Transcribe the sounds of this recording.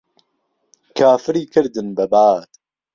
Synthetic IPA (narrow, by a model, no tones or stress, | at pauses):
kʰaːfɨɾiːkʰɨɾd̪ɨnbɐbaːt̪